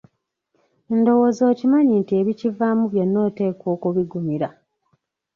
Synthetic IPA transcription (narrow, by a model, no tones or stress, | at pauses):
endo̞wo̞ːzo̞ːcimaɲintie̞βicivamuβjenːo̞ːte̞ːkwo̞ːkuβiɡumiɾa